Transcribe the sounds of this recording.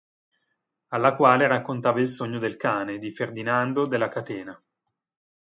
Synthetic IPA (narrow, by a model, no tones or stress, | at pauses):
alːakwaːleɾakːont̪aːvailsoɲːod̪elkaːned̪iferd̪inand̪od̪elːakat̪ɛːna